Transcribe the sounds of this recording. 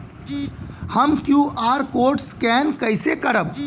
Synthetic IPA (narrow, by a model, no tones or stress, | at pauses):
həmkjuːʔaːɾkoːɾʈskɛːnkəɪsekəɾəb̚